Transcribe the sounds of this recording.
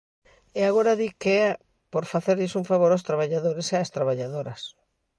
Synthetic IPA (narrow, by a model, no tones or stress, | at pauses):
eaɣoɾaðike | poɾfaθeɾʎesuɱfaβoɾawst̪ɾaβaʎaðoɾeseast̪ɾaβaʎaðoɾɐs